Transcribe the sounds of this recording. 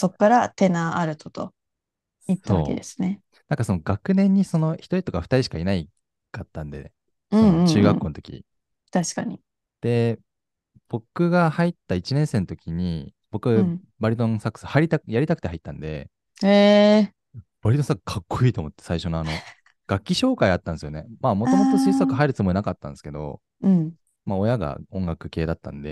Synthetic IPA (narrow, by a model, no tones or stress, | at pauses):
so̞kːaɾat̪e̞naaɾɯ̟t̪ʰot̪o̞̰ | it̪ːao̞a̰ːkḛd̪esɨ̥ne̞ | nãŋkaso̞no̞ɡakɯ̟nẽ̞ɲ̟ːiso̞no̞çi̥t̪oit̪o̞kaɸɯ̥t̪aɾiɕi̥kainai | kat̪ːãnd̪e̞̰ | ɯ̟̃ɴ̃t͡ɕɨːɡaːo̞ːnot̪o̞kʲḭ | t̪aɕi̥kaɲ̟i | d̪̥e̞ | b̥o̞kɯ̟ɡahait̪ːait͡ɕinẽ̞ɰ̃se̞ːnot̪o̞kʲiɲ̟ḭ | b̥o̞kɯ̟ɡa | baɾit̪̬õsakːɯ̟̥sɨhaɾʲit̪ajaɾʲit̪ak̟t̪e̞ɦait̪ːã̰nd̪e̞̰ | e | b̥aɾʲit̪õsakːkʰakːoiːt̪omo̞t̪ːesaiɕo̞noano̞ | ɡ̥akʲːiɕo̞ːkaiat̪ːãnd̪esɨjo̞ne̞mamo̞t̪o̞mo̞t̪o̞siisakːɯ̟ɦaiɾɯ̟t͡sɨmo̞inakat̪ːã̰nd̪eske̞d̪o̞̰ | ɯ̃ɴ | mao̞jaɡa̰õ̞ŋɡakɯ̟̥ke̞ːd̪at̪ːã̰nd̪e̞̰